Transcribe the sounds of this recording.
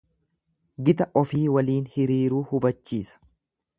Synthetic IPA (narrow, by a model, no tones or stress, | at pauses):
ɡɪt̪ɐʔɔfiːwɐliːnhɪɾiːɾuːhʊbɐt͡ʃːiːsɐ̥